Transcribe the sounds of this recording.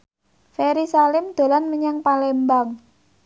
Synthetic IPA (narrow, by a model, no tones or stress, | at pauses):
feɾisalɪmd̪̥o̤lanməɲaŋpalembaŋ